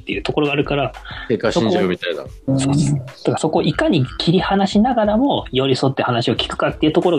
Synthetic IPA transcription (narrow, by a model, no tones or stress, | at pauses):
t̪ːejɯ̟ːt̪o̞ko̞ɾo̞ɡaːɾɯ̟kaɾakekːaɕsoĩɲkoɯmʲit̪aid̪a̰soːt̪ekaso̞ko̞ʔikaɲ̟ikʲʰiɾʲihanaɕinaɡaɾamo̞jo̞ɾʲiso̞t̪ːehanaɕio̞kʲi̥kɯ̥kat̪ːeiɯ̟t̪o̞ko̞ɾo̞